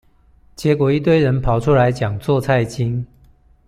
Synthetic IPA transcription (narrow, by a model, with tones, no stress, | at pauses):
t͡ɕjɛ˨˦kwɔ˨˩i˥˧t̪we˥˨ɪɻə˨˦npʰɑ˨˦ʊʈ͡ʂʰu˦la˧˦ɪt͡ɕjɑ˨˩ŋt͡swɔ˥˧t͡sʰa˥˧ɪt͡ɕi˦ŋ